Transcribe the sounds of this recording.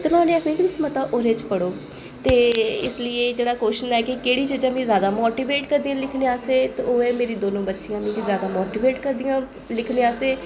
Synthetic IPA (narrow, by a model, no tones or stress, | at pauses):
t̪ʊnãːnẽːəknẽːknɪsmət̪aːʔoːɾeːt͡ʃpəɽoː | t̪eːɪslɪeːd͡ʒeːɽaːkoːʃənɛːkɪkeːɽiːt͡ʃəd͡ʒãːmĩːzjaːd̪aːmoːʈiːʋeːʈkəɾd̪ijãːlɪkʰneaːseːt̪eoːeːmeːɾiːd̪oːnõːbətːʃɪjãːmĩːk̪izjaːd̪aːmoːʈiːʋeːʈkəɾd̪ijãː | lɪkʰneːaːseː